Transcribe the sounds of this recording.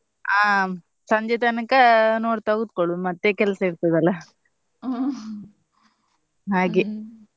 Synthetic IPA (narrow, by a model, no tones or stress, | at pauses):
aː | sɐɲd͡ʒet̪ɐnɐkɐnoːɖt̪ɐɡud̪̚koɭumɐt̪ːekɛlsɐiɾt̪ɐd̪ɐlːɐ | ɦaːɡe